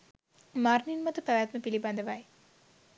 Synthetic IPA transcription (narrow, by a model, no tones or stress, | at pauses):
maɾninmɐt̪upɐʋat̪məpiliband̪əʋaj